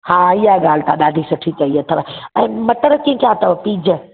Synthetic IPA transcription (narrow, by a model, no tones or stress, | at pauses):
hãːɪjaɡaːl̤t̪ʰaɗaːd̪ʱisɐʈʰit͡ɕɐiɐt̪ʰɐʋɛ̃ːmɐʈəɾkĩkaːt̪ɐʋpiːd͡ʑə